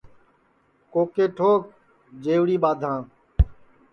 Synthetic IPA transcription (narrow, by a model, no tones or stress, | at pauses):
koːkeːʈʰoːk̚ | d͡ʒeːʋɽiːɓaːd̪ʱãː